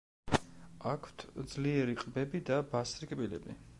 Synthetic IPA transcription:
akʰw̥t̪ʰd̪zliɛɾiqʼbɛbid̪abasɾikʼbilɛ̰bi

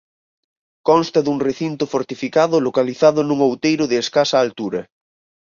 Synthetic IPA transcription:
kɔ̃nst̪ɐðuŋreθint̪ofoɾt̪ifikaðʊlokaliθaðʊnũŋowt̪ejɾʊðeːskasaːlt̪uɾɐ

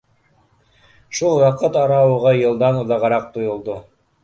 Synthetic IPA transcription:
ʃulˠwɑqɤt̪ɑɾɑwɤʁɑjɤ̆lˠd̪ɑnuðɑʁɑɾɑq̚t̪ojŏlˠd̪o

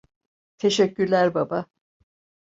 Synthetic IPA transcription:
t̪ʰe̞ʃɛcːyɾlʲæɾbaba

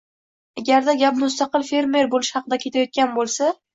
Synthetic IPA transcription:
aɡʲaɾd̪aɡʲapmʊst̪ɑqɨlfe̞ɾme̞ɾbolɪʃhɑqɨd̪akʲʰe̞t̪ʰajɒt̪̚kʲanbolˠsa

